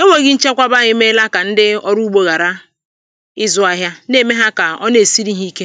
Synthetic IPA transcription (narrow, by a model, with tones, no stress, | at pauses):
e˦ŋʷe˨ɣɪ˦n̩˦t͡ʃe˦kʷa˦ba˦ɲɪ˦me˦la˦ka˨n̩˦dɪ˦ɔ˦ɾu˦ɡ͡bo˦ɣa˨ɾa˦ | ɪ˦zʊ˦a˦ɦja˦ne˦˨me˦ɦa˦ka˨ɔ˦ne˨si˦ɾi˦ɦi˦i˦ke˦